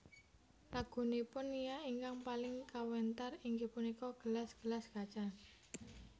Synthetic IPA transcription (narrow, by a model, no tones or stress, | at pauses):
laɡ̥ṳnipʊnijaiŋkaŋpalɪŋkawɛnt̪ariŋɡe̤punikɔɡ̥ə̤lasɡ̥əlasɡ̥at͡ʃan